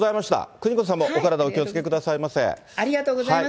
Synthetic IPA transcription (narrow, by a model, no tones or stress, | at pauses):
zaimaɕi̥t̪a̰kɯ̟ɲ̟ikõs̬ãmːoʔokaɾad̪ao̞kʲiot͡sɨ̥ke̞kɯ̟d̪asaimasḛ̃ | aɾʲiɡat̪oːɡozaa